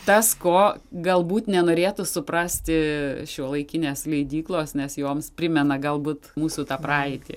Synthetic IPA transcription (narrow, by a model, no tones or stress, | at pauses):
t̪ɐskoːɡɐlˠbuːt̪nʲɛnoːɾʲeːt̪ʊsʊpɾɐsʲt̪ʲɪʃʲoɔlˠɐɪkʲɪnʲeːslʲɛɪd̪ʲiːklˠoːsnʲɛsjoːmspʲɾʲɪmʲɛnɐɡɐlˠbuːt̪muːsuːt̪ɑːprɑːɛɪt̪ʲɪ̰